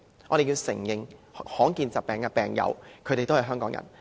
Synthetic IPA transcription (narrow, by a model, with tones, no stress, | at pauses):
ɔː˨˧ɾe˨jiː˧wsɪ˨˩ŋjɪ˨ŋhɔː˨˥ŋkiː˧nt͡saɐː˨p̚pɛː˨˩ŋkɛ˧pɛː˨ŋjɐ̰˨˧wkʰt̪e˨jt̪whɐ˨jɦœː˥ŋkɔː˨˥ŋjɐ̰˨˩n